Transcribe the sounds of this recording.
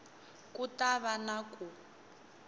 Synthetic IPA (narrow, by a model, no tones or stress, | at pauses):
kutaβanaku